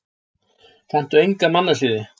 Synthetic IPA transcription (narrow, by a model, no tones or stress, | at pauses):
θɛn̥t̪ʏejŋkamanːasɪːðɪ